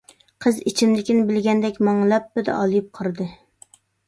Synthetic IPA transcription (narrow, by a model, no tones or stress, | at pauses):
qʰəzit͡ʃʰimd̪ɪkʲinɪbɪlɡʲɛnd̪ɛkʲmɑŋlˠɛpːɪd̪ɛ̰ɑlˠɨjɪp̚qʰəɾɨd̪ɨ